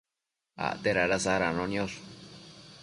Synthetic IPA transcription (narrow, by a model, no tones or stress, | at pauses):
a̰t̪eɾaɾasaɾanõnĩos